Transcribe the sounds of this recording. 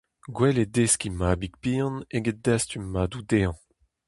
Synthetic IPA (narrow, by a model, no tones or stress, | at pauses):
ɡwɛledeskʲimaːbik̚piːɑ̃neɡed̪astymːaːdud̪eːɑ̃